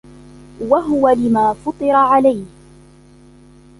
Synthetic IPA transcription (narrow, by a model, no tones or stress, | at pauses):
waɦʊwalɪmaːfɑt̪ˤɨɾˤɑʕalajh